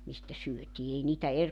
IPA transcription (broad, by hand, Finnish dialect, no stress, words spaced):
mistæ syøtʲiː ei niːtæ er